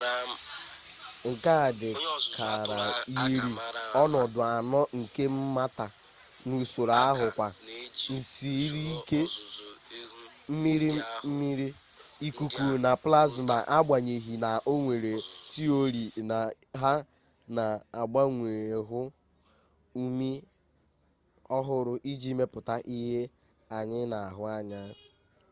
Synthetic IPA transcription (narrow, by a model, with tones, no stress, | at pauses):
ŋ̩˨ka˦˨dɪ˨kʰa˨ɾa˨ji˦ɾi˨ɔ˦nɔ˨dʊ˨a˨nɔ˦ŋ̩˨ke˦m̩˦ma˦ta˨ | nu˨so˨ɾa˨a˦ɦʊ˨kʷa˨n̩˨si˨˦ɾi˦ke˦ | m̩˦mi˦ɾi˦m̩˦mi˦ɾi˦ | i˨ku˨ku˨na˨pla˦zma˨ʔa˦ɡ͡bʷa˨ɲe˨ɦi˨na˨ʔo˦ŋʷe˨ɾe˨ti˦o˦ɾi˨na˨ | ɦa˦ | na˨a˨ɡ͡ba˦ŋʷe˨ɾe˨ɦʊ˦ | u˦mi˦ | ɔ˦ɦʊ˨ɾʊ˨ʔi˦d͡ʒi˦me˦pʊ˨ta˦ʔi˦ɦe˦ | a˨ɲɪ˦na˨a˨ɦʊ˨a˦ɲa˦